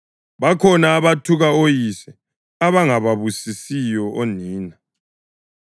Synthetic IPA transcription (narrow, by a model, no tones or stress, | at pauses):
βakʰɔnaːβatʰuɣaojisɛ | aβaŋaβaβusisijɔʔoniːna